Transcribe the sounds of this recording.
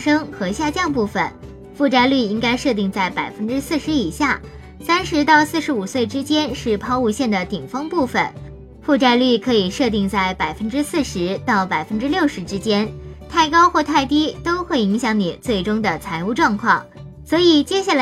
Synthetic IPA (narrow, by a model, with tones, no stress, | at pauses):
ʂɤ˥ŋxɤ˧˥ɕja˥˧t͡ɕjɑ˥˧ŋpu˥˩fə̰˩n | fu˥˧ʈ͡ʂa˥˧ɪly˥˩i˥ŋka˥ɪʂɤ˥˧t̪̬i˥˧ŋt͡sa˥˩ɪpa˨˩ɪfə˥nʈ͡ʂɻ̩˥sɹ̩˥˩ʂɻ̩˧˥i˨˩ɕja˥˩ | sa˥nʂɻ̩˧˥t̪ɑ˥˧ʊsɹ̩˥˧ʂɻ̩˧˥u˨˩swe˥˩ɪʈ͡ʂɻ̩˥t͡ɕjɛ˥nʂɻ̩˥˧pʰɑ˥˧ʊu˥˧ɕjɛ˥˩nd̪ə˩t̪i˨˩ŋfɤ˥ŋpu˥˩fə̰˨˩n | fu˥˧ʈ͡ʂa˥˧ɪly˥˩kʰɤ˧˥i˨˩ʂɤ˥˧t̪̬i˥˧ŋt͡sa˥˩ɪpa˨˩ɪfə˥nʈ͡ʂɻ̩˥sɹ̩˥˩ʂɻ̩˧˥t̪ɑ˥˩ʊpa˨˩ɪfə˥nʈ͡ʂɻ̩˥ljo˥˩ʊʂɻ̩˧˥ʈ͡ʂɻ̩˥t͡ɕjɛ˥nt̪ʰa˥˩ɪkɑ˥ʊxwɔ˥˧t̪ʰa˥˩ɪt̪i˥t̪o˥ʊxwe˥˩ɪi˧˥ŋɕjɑ˧˥ŋni˨˩t͡swe˥˩ɪʈ͡ʂʊ˥ŋd̪ə˨t͡sʰa˧˥ɪu˥˧ʈ͡ʂwɑ˥˧ŋkʰwɑ˥˩ŋ | swɔ˧˥i˨˩t͡ɕjɛ˥ɕja˥˩l